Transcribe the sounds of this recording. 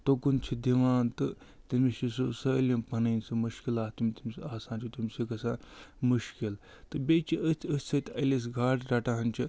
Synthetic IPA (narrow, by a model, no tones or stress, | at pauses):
t̪okunt͡ʃʰid̪iʋaːnt̪ɨ | t̪imiʃisusɐːlʲɐmpɐnɐjnt͡sɨmuʃkilaːtt̪umit̪imʲsiaːsaːnt͡ʃʰit̪umʲsikɐsamuʃkil | t̪ɨbet͡ʃʰiʔət̪ʲəsʲt͡sʰɐt̪ʲɐlesɡʱaːʈɖaːʈaːɦɐnt͡ʃʰi